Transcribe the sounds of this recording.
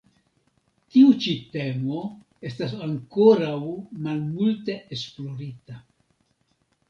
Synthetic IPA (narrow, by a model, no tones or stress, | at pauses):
tiut͡ʃite̞mo̞ | e̞stas̬aŋkoɾawmalmulte̞ʔesplo̞ɾita